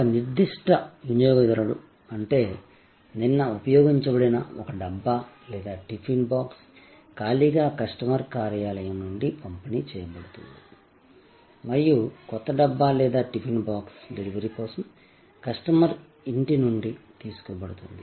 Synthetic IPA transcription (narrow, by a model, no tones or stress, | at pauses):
ɔkɐniɾd̪iʂʈɐunjɔːɡɐid̪ɐɾɐɽu | ɐɳʈe̞ː | ninːɐupɐjɔːɡiɲt͡ʃɐbɐɽɐnɐ̰ɔkɐɖɐbːaː | lɛːd̪aːʈipʰinbaːks | kaːliɡaːkɐsʈɐmɐɾkaːɾjaːlɐjɐmnuɳɖikɐmpɐnit͡ʃɛːjɐbɐɽut̪ṵnd̪i | mɐɾijukɔt̪ːɐɖɐbːaːlɛːd̪aːʈipʰinbaːksd̪iɾiʋɐɾipɔːsɐm | kɐsʈɐmɐɾ | iɳʈinuɳɖit̪iːsu̥kɔːbɐɽut̪und̪i